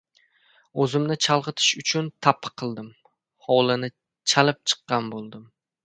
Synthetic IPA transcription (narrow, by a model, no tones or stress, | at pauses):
ɵzɪmnɪt͡ʃʰalˠʁɨt̪ʰɪ̥ʃʊt͡ʃʰʊnt̪ʰapʰːɨ̥qʰːɨlˠd̪ɪm | hɒlˠɪnɪ | t͡ʃʰalɪp̚t͡ʃʰɨ̥qːɑnbolˠd̪ɪm